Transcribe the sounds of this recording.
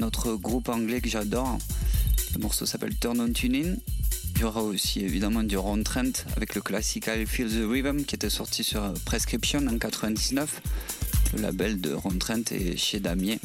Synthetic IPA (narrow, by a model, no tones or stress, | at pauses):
nɔt̪χəɡʁupɑ̃ɡlɛkəʒad̪ɔʁ | ləmɔʁsosapɛ̰lt̪œʁnɔt̪yninʒɔʁaosievid̪amɑ̃d̪yʁɔ̃t̪χɛ̃t̪a̰vɛkləklasikalfilzʁivəmkʲiet̪ɛsɔʁt̪ʰisyʁpχeskχipsjɔ̃nɑ̃kat̪χəvɛ̃d̪iznœf | lə̰la̰bɛld̪ə̰ʁɔ̃t̪χɛ̃t̪ʰḛʃed̪amje